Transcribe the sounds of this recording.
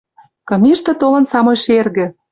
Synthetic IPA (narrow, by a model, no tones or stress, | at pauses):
kɤ̆mʲiʃt̪ĕt̪olɤ̆nsɑmojʃerɣɘ̆